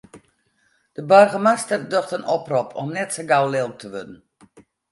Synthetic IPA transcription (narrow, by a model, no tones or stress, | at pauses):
d̥əbœrɣəmastərdøχtənɔprɔpʰɔ̰mnɛtsəɡawlɪl̚ˠtʰəʋødn̩